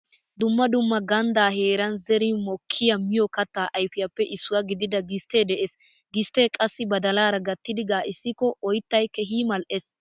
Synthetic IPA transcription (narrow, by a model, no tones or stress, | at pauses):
d̪ʊmːɐd̪ʊmːɐɡɐnd̪aːɦeːɾɐnzɛɾimɔkʰːɪjɐmɪjɔkɐt̪ːaːʔɐjfɪjɐpːɛʔɪsːʊwɐɡɪd̪ɪd̪ɐɡɪst̪eːd̪ɛʔes | ɡɪst̪eːkʼɐsːɪbɐd̪ɐlaːɾɐɡɐt̪ːɪd̪ɪɡaːʔɪsːɪkɔʔɔjt̪ːɐjkːɛɦiːmɐlʔes